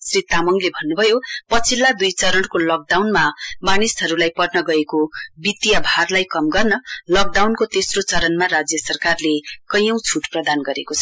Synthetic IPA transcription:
srit̪amʌŋlebʱʌnːubʱʌjopʌt͡sʰilːad̪ujt͡sʌɾʌnkolʌk̚ɖawnmamanisɦʌɾulajpʌʈnʌɡʌekobit̪ijabʱarlajkʌmɡʌrnʌlʌk̚ɖawnkot̪esrot͡sʌɾʌnmaɾad͡zjʌsʌrkarlekʌjʌ̃w̃t͡sʰuʈprʌd̪anɡʌɾekot͡sʰʌ

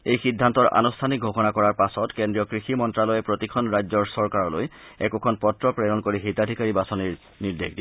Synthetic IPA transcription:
ejxidʱːantɔɹʔa̰nustʰanik̚ɡʱokɔnakɔɹaɹpasɔtkendɹijɔkɹiximɔntɹalɔjɛpɹotikʰɔnɹajzɔɹsɔɹkaɹɔlo̰jɛkukʰɔnpɔtɹɔpɹɛnɔnkoɹiɦetadʱikaɹibasɔniɹ | niɹdḛxdi

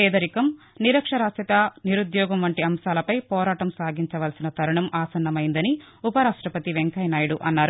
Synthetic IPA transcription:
ɛːd̪ɐɾikɐm | niɾɐkʂɐɾaːsɐt̪ɐniɾud̪jɔːɡɐmʋɐɳʈiɐmʃaːlɐpɐjpɔːɾaːʈɐmsaːɡiɲt͡ʃɐʋɐlsinɐt̪ʰɐɾuɳɐmʔaːsɐnːɐmɐjind̪ɐni | upɐɾaːʂʈɾɐpɐt̪iʋeŋkɐjnaːjɐɽuʔɐnːaːɾu

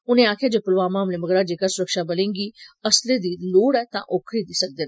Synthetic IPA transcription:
ʊnẽːaːkʰjaːd͡ʒeːpʊlʋaːmaːmleməɡɾaːd͡ʒeːkasʊɾəkʃabəlẽːŋɡiːəsled̪iːloːɽɛːt̪ã̰ʔoːkʰɾid̪iːsək̚d̪eːnɛ

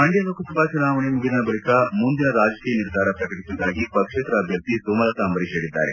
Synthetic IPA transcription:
mɐɳɖjɐd̪ɐkɐsɐbʱaːt͡ʃunaːʋɐɳemuɡinɐɐbɐɭikɐmund̪inɐɾaːd͡ʒɐkiːjɐniɾd̪ʱaːɾɐpɾɐkɐʈisid̪aːɡipɐkʂeːt̪ɾɐːbʱjɐɾt̪ːisumɐlɐt̪ɐːmbɐɾiʃeːɽid̪ːa̰ːɾe

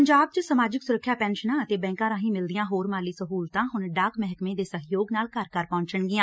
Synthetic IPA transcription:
əɲd͡ʒaːb̚t͡ʃəsəmaːd͡ʒɪksʊɾəkʰːjaːpɛːnʃənãːət̪eːbɛ̃ːŋkãːɾãːɦĩːmɪld̪ɪjãːɦoːɾmaːliːsəɦuːlt̪ãːɦʊnɖaːkmɛɦkmẽːd̪eːsəɦjoːɡnaːlkəɾkəɾpɔ̃ːɲt͡ʃəɳɡɪjãː

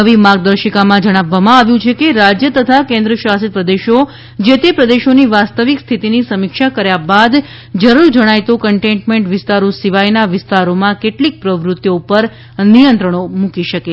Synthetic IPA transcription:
əʋimãɡ̚d̪əɾʃikamãd͡ʒəɽ̃aʋːamãaʋjũt͡ʃʰekeɾad͡ʒjət̪ət̪ʰakẽnd̪ɾəʃasit̪̚pɾəd̪eʃo | d͡ʒet̪epɾəd̪eʃoniʋast̪əʋikst̪ʰit̪inisəmikʃakəɾjabad̪ | d͡ʒəɾuɾd͡ʒəɽ̃ajt̪okəɳʈẽɳʈmẽɳʈʋɪst̪aɾosiʋajnaʋɪst̪aɾomãkeʈlik̚pɾəʋɾut̪joupəɾ | nijənt̪ɾəɳ̃omũkiʃəke

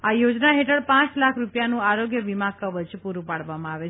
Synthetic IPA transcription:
ajod͡ʒnaɦeʈʰəɽpãt͡ʃlakʰɾupjanũaɾoɡjəʋimakəʋət͡ʃpuɾũpaɽʋamãaʋe

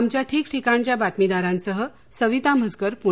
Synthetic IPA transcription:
mt͡ɕjaʈʰiːkʈʰikãɳt͡ɕjabat̪mid̪aɾãnsəɦə | səʋit̪am̤əd͡zɡəɾpu

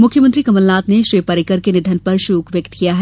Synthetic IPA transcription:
mʊkʰjəmə̃nt̪ɾikɐməlnaːt̪neʃɾiːpɐɾɪkəɾkenɪd̪ʱənpɐɾʃuːkʋjɐkt̪kijaɦɛ

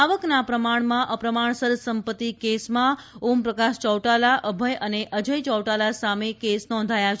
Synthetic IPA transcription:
aʋəknapɾəmaɳmãʔəpɾəmaɳ̃səɾsəmpət̪ːikesmãumpɾəkaʃt͡ʃəwʈalaʔəbʱəjʔəneʔəd͡ʒəjt͡ʃɔwʈalasamekesnɔ̃nd̪ʱajat͡ʃʰ

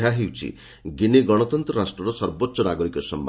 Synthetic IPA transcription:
aɦewt͡ʃʰḭ | ɡineɡɔɽ̃ɔt̪ɔnt̪ɾɔɾasʈɾɔɾɔsɔɾbɔtːsɔnaɡɔɾikɔsɔmb

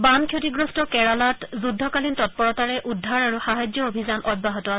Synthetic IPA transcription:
bankʰjotiɡɹɔstɔkɛɹalatzudʱːɔkalintɔt̚pɔɹɔtaɹɛʔudʱːaɹaɹuxaɦajzɔobʱizanʔɔd̚baɦɔtɔa

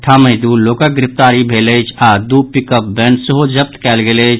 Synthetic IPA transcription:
ʈʰaməɪd̪ulokək̚ɡɾɪp̚ʰt̪aɾibʱeləjt͡ʃʰad̪upikəp̚bensəɦod͡ʒəp̚t̪kɛlɡelət͡ʃʰ

